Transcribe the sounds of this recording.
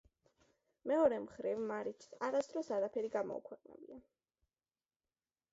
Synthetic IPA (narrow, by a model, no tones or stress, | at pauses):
mɛɔɾɛmχɾivmaɾit͡ʃʰsaɾasd̪ɾɔsaɾapʰɛɾiɡamɔ̰ṵkʰwɛqʼnɛ̰bia